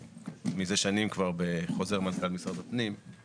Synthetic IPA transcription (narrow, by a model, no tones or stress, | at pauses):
mizeʃanimkvaʁbeχo̞zeʁmankalmisʁad̪apnim